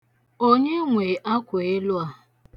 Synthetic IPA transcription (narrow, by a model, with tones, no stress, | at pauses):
o˦ɲe˦ŋʷe˨ʔa˦kʷʊ˨ɪ˦lʊ˦a˦